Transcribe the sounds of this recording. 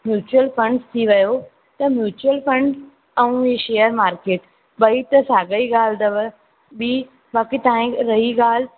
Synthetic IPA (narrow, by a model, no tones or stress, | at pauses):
mjuːt͡ɕuwəlfɐ̃ɳɖst̪ʰiʋɐjo | t̪ɐmjuːt͡ɕuwəlfɾɐ̃ɳɖ | ɛ̃ũeʃeːəɾmaːɾkeːʈ | ɓɐit̪ɐsaːɡəiɡaːl̤d̪ɐʋə | bi | baːkit̪aĩɾɐɦiɡaːl̤